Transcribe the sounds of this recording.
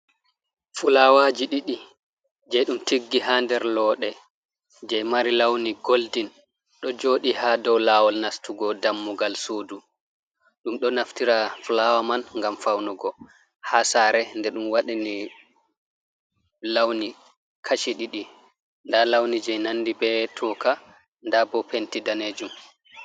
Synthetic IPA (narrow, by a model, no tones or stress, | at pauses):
fulawaːd͡ʒiɗiɗi | d͡ʒɛjɗumtʰiɡːiɦandɛɾlɔːɗɛ | d͡ʒɛjmaɾilawniɡoldin | ɗɔd͡ʒoːɗihadɔwlawɔlnastuɡɔdamːuɡalsoːdu | ɗumɗɔnaftiɾaflawamanŋɡamfawnɔɡɔ | hasaːɾɛndɛɗumwaɗini | lawni | kʰaʃiɗiɗi | ndalawnid͡ʒɛjnanːdibɛtʰɔka | ndabɔpentidaned͡ʒum